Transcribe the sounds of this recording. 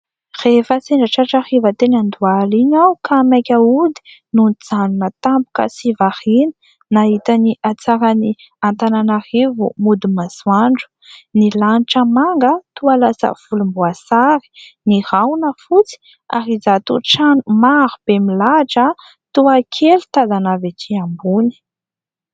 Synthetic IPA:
refəseɳɖ͡ʐaʈ͡ʂaʈ͡ʂahivət̪enand̪ualiɲawkʰamakʲaud̪i̥nund͡zanunət̪ampu̥kə̰sivahinə̥ | naɦit̪aniʔat͡saɾani | ant̪ananahivṵmud̪imazuaɳɖ͡ʐu̥nilaniʈ͡ʂəmaŋɡət̪ualasə̰v̥ulumbuasaɾi̥nihawnəfut͡si̥ | a̰ɾizat̪uʈ͡ʂanumaɾub̥emilaʈ͡ʂə | t̪uakʰelut̪azanavetʰiambuni̥

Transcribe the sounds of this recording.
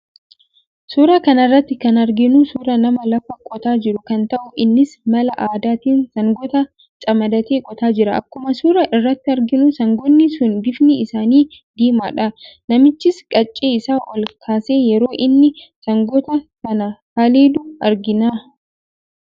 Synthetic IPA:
suːɾaːkɐnɐrːɐt̪ːɪkɐnɐɾɡɪnusuːɾɐnɐmɐlɐfɐkʼɔt̪aːd͡ʒɪɾʊkɐnt̪ɐʔʊʔɪnːɪsmɐlɐʔaːd̪aːt̪iːnsɐŋɡɔt̪ɐ | t͡ʃʼɐmɐd̪ɐt̪eːkʼɔt̪aːd͡ʒɪɾɐʔɐ̰kːʊmɐsuːɾɐʔɪrːɐt̪ːɪɐɾɡɪnʊsɐŋɡɔnːɪsʊnbɪfnɪɪsaːniːd̪iːma̰ːᶑɐnɐmɪt͡ʃːɪskʼɐt͡ʃʼːeːɪsaːʔɔlkʰaːseːjɛɾo̞ːʔɪnːɪsɐŋɡɔt̪ɐsɐnɐhaːleːd̪ʊɐɾɡɪnaː

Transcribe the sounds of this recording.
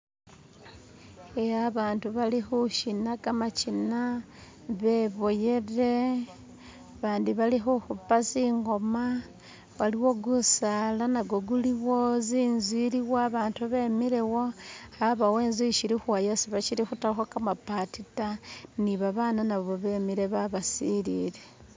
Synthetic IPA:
ejaβaːntuβalixuʃinakamat͡ʃina | βe̞βoje̞re̞ | βaːndiβalixuxupasiːŋɡo̞ma | waliwo̞ɡusalanaɡoɡuliβo̞ziːnzwiliwaβaːntuβe̞miɾewo̞haβaweːnzwiiʃiɾixwajasiβat͡ʃiɾixutaxwakamapatitaniβaβaːnanaβoβe̞miɾe̞βaβasilḭːɾe̞

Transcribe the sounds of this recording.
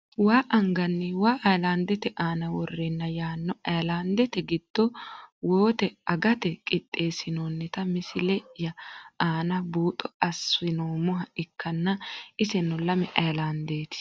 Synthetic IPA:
waːʔɐŋɡɐnːɛwaːʔɐjlaːnd̪ɛt̪ɛʔaːnɐwɔrːɛnːɐjaːnːɔɐjlaːnd̪ɛt̪ɛɡɪd̪̥ːɔwoːt̪ɛɐɡɐt̪ɛkʼɪt̪ʼːe̞ːsɪnoːnːɛt̪ɐmɪsɪlɛʔjɐaːnɐbuːt̪ʼɔɐsːɪnoːmʊɦɐɪkːɐnːɐɪsɛnʊlɐmɛʔɐjlaːnd̪eːt̪ɪ̥

